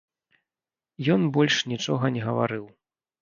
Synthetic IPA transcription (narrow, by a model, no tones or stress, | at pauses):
jɔnbɔlʲʂnʲit͡ʂɔɣɐnʲɛɣɐva̰ɾɨw